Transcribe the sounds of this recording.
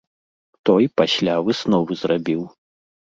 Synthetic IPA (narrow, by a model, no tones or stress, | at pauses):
t̪ɔjpasʲlʲavɨsnɔvɨzrabʲiw